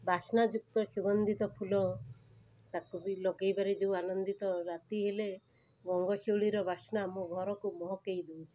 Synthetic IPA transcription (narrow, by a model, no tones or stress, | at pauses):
bʱaʃnad͡ʒuk̚t̪ɔʃuɡɔnd̪it̪ɔpʰulɔ | t̪akubilɔɡejbaɾed͡ʒeuanɔnd̪it̪ɔɾat̪iɦele | ɡɔŋɡɔʃewɭiɾɔbʱasnamũɡʱɔɾɔkumɔɦɔkejd̪ewt͡ʃʰi̥